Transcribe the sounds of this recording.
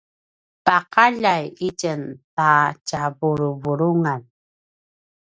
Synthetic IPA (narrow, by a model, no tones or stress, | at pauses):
paqaʎajicənt̪at͡ɕavuɾuvuɾuŋan